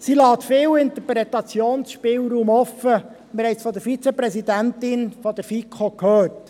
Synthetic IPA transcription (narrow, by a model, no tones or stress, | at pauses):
silɑːt̪fɪːwɪnt̪əɾpɾɛt̪ɑt͡sjoːnsʃpɪːwɾuːmɔfə | mɪɾhɛjsfɔd̪əɾfit͡sɛpɾɛsidæntɪnfɔd̥̪əɾfikχokhøːt